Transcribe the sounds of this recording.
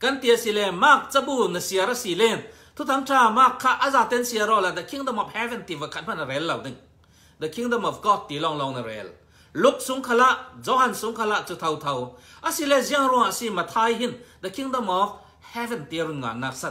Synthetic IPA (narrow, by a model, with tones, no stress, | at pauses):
kɐ˦nt̪i˨a˨si˧˨lɛ˧maː˧˩k̚t͡sɐ˦bu˧nɐ˨si˧˨ɐ˨ɾɐ˦si˨lɛ˧˨ | t̪ʰu˦t̪ʰɐ˧˦mtʰaː˧˩maː˧kʰːa˦˧ʔa˦˨zaː˨t̪ɛ˦˨nsi˧ɐ˧ɾɔ˧˨la˧d̪ɐ˨kʰi˦ŋd̪ɔ˧mɔ˨p̚hɛ˦vɛ˨nt̪i˨vɐ˨kʰa˧t̪̚ma˧˨nɐ˨ɾɛ˨˦lːɐ˨wdi˨ŋ | d̪ɐ˨kʰi˦ŋd̪ɔ˧mɔ˨p̚ɡɔ˦˧t̪ːi˨˦lɔ˧ŋlɔ˧ŋnɐ˨ɾɛ̰˨˦l | lu˦k̚su˨˦ŋkʰa˧la˧ʔzɔ˦hɐ˨nsu˨˦ŋkʰɐ˧la˧˨ʔt͡su˧t̪ʰɐ˧wt̪ʰɐ˧wʔɐ˨si˧lɛ˧˨zi˧ə˧˨ŋɾu˧˨ŋa˨si˧˨mɐ˨t̪ʰaː˧jɦi˥˨nd̪ɐ˨kʰi˦ŋd̪ɔ˧˨mɔ˨˦ | hɛ˦vɛ˨nt̪i˧˨˧ɾu˧˨nŋa̰ː˨nːaː˧k̚sɐ˧˦t̪̚